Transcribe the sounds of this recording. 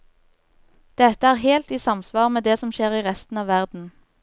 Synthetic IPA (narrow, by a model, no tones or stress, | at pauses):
d̪̥ɛt̪əæːʁheːlt̪iːsɑmsʋɑːʁmeːd̪eːsɔmʃeːʁiːʁɛst̪n̩ɑːʋæʁd̪n̩